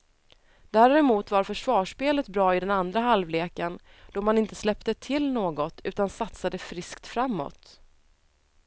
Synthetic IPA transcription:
d̪æːɾɛmuːt̪vaɾfœʂvɑːʂpeːlət̪bɾɑːɪd̪ɛnand̪ɾaɦalvleːkən | d̪̥ɔmanɪnt̪əslɛpt̪ət̪ʰɪlnoːɡɔt̪ʉ̟ːt̪ansat̪sad̪əfɾɪskt̪fɾamːɔ̰t̪

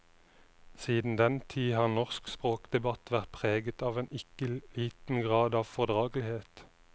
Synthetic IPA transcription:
siːd̪n̩d̪ɛnt̪ʰiːhɑːʁnɔʁskspʁoːkd̪ɛbɑt̪ʰʋæʁt̪̚pʰʁeːɡət̪ɑːʋeːnɪkəliːt̪n̩ɡʁɑːd̪ɑːʋfɔʁd̪ʁɑːɡlɪheːt̪

